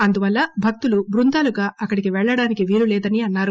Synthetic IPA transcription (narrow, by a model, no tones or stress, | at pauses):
ɐnd̪uʋɐlːɐbʱɐk̚t̪ulubɾund̪aːluɡaːʔɐkːɐɽikiʋɛɭːɐɽaːnikiʋiːlulɛːd̪ɐniɐnːaːɾu